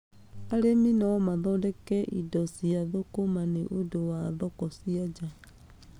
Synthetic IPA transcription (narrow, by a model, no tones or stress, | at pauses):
aleminɔwɔmaðɔdɛkɛʔidɔsiaðokomaneʔodowaðɔkɔsiad͡ʒa